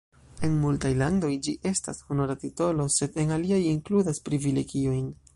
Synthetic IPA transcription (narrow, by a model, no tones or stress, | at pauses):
e̞nmultajlando̞jd͡ʒiʔe̞sta̰shonoɾatito̞lo̞se̞de̞naliajiŋkludaspɾivile̞ɡio̞jn